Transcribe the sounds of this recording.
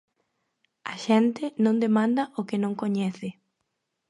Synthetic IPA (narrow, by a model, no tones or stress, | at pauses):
aʃɛnt̪ɪnõnd̪emãnd̪aʔokɪnõŋkoɲɛθɪ